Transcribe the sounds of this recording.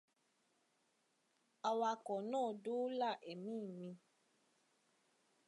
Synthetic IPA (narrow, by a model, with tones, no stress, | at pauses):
a˧wa˧kɔ˨nãː˦˨do˦la˦˨ʔɛ˨mĩ˦˨mĩ˧